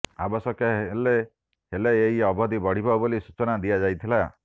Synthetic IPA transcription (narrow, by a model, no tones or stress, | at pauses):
a̰bɔsɔkele | heleeɦiɔbɔd̪ibɔɽ̤ibɔbolisut͡ʃɔnad̪ijad͡ʒajt̪ʰila